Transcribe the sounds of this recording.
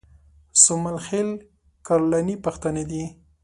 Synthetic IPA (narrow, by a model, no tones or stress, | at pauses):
sʊmalxel | kaɾlanipaxt̪əned̪i